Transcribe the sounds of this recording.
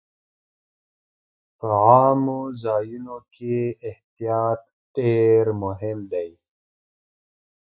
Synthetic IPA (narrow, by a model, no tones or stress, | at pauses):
pəaːmuzɑːjunokʰiːht̪ijɑːt̪̚ | ɖ̥eɾmʊɦɪmd̪ej